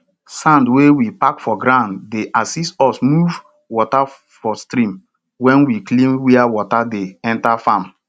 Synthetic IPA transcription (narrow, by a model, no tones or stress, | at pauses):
sãndwewipakfɔɡɾãndːeʔasistɔsmuv | wɔta | fɔstɾĩm | wɛ̃nwiklĩmwiawɔtadeɛ̃ntafãm